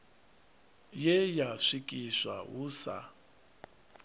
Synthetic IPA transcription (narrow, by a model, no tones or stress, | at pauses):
jɛjaʂikʼiʂa̰wuːsa̰